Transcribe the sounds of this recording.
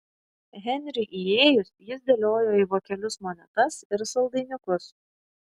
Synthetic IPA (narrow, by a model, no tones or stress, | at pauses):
ɣʲɛnʲɾʲɪʔieːjʊsjɪsd̪ʲɛlʲoːjoːiːʋoːkʲɛlʲʊsmoːnʲɛt̪ɐsɪɾsɐlˠd̪ɐɪnʲɪkʊs